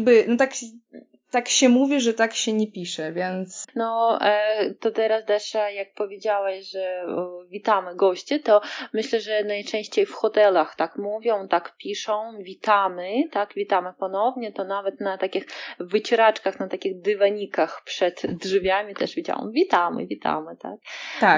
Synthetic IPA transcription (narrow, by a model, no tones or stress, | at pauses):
bɘnɔt̪ak | t̪akɕɛmuvʲiʐɛt̪akɕɛɲɛpʲiʂɛvʲjɛnt̪snɔ | t̪ɔt̪ɛɾast̪ɛʂjak̚pɔvʲjed͡ʑawɛɕʐɛvʲit̪amɘɡɔɕt͡ɕɛt̪ɔmɘɕlɛʐɛnajt͡ʂɛ̃w̃ɕt͡ɕejfxɔt̪ɛlaxt̪akmuvʲjɔ̃w̃t̪akpʲiʂɔ̃w̃vʲit̪amɘt̪akvʲit̪amɘpɔnɔvɲɛt̪ɔnavɛt̪nat̪akʲixvɘt͡ɕɛɾat͡ʂkaxnat̪akʲiɣd̪ɘvaɲikaxpʂɛd̪dʐvʲjamʲit̪ɛ̰ʐvʲid͡ʑa̰wɔ̰m̃vʲit̪amɘ̰vʲit̪a̰mɘt̪a̰k̚t̪a